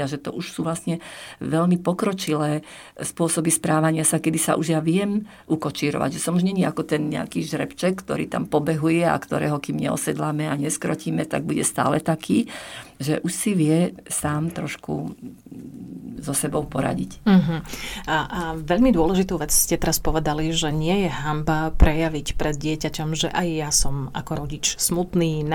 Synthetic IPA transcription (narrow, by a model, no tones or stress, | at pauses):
aʒɛt̪ɔ̰ʔuʃsuːʋlasɲɛʋɛʎmipɔkɾɔt͡ʃilɛː | spʊɔsɔbispɾaːʋaɲɪasakɛd̪isa̰ʔuʒjaʋɪɛm | ʔukɔt͡ʃiːɾɔ̰ʋa̰ɟʒɛsɔmuʒɲɛɲiakɔt̪ɛnɲɛ̰a̰kiːʒɾɛpt͡ʃɛkːt̪ɔ̰ɾḭːt̪a̰mpɔbɛɦujɛa̰kt̪ɔɾɛ̰ːɦɔkiːmɲɛɔ̰sɛd̪lamɛaɲɛskɾɔciːmɛt̪aɡ̚buɟɛst̪a̰ːlɛt̪akʰiːʒɛʔuʃsiʋɪɛsaːmt̪ɾɔʃkṵ | zɔsɛbɔʊpɔɾa̰ɟḭc̩ɦ̩aʔaʋɛʎmid̪ʊɔlɛʒit̪uʋɛt͡sscɛt̪ɛɾaspɔʋɛd̪aliʒɛɲɪɛjɛɦambapɾɛjaʋicpɾɛd̪̚ɟɪɛcacɔmʒɛʔajːasɔmakɔɾɔɟit͡ʃsmut̪niːn